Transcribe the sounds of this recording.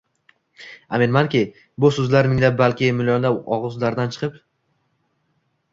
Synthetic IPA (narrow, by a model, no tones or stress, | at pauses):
ame̞nmankʲɪ | bʊsʊzlaɾmɪŋʲd̪abalkʲɪmɪljɒnd̪aɒʁɨzlaɾd̪ant͡ʃʰɨ̥qʰɨp